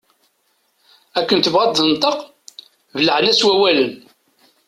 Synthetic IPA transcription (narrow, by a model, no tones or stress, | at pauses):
ækːənt̪əvʁɑd̪ðənt̪ˤːəq | vələʕənæswæwælən